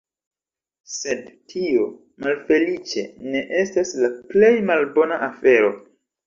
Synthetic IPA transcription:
se̞dtʰio̞ | malfe̞lit͡ʃe̞̰ne̞ʔe̞staslaple̞jmalbo̞naʔafe̞ɾo̞

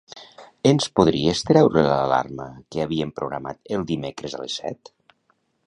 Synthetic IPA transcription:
enspuðɾiest̪ɾɛwɾelala̰rməkeaβiempɾʔuɣɾa̰ma̰t̪elˠd̪imekɾəza̰lḛsːɛ̰t̪

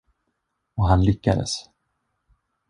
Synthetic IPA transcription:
ɔɦanlʏkːad̪ə̰s

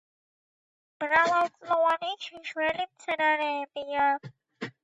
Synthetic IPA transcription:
m̥ɾalˠalt͡sʼlɔvanit͡ʃʰiʃwɛlimt̪sʰɛɾaɾɛːbia

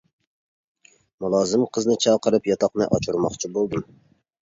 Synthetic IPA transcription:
mulˠɑːzɨmqʰəznɨt͡ʃʰɑqəɾɨpjɑt̪ʰɑqnɨ̰ʔɑt͡ʃʰuɾmɑχt͡ʃʰibolˠd̪ɨm

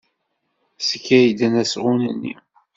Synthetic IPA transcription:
səkːæjd̪ænæsʁʊnənːḭ

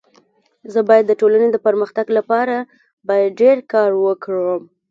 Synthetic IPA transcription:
zəbɑjad̪ːəʈolaned̪əpəɾməxt̪aɡlapɑɾa | bɑjad̪̚ɖeɾkɑɾwəkɽəm

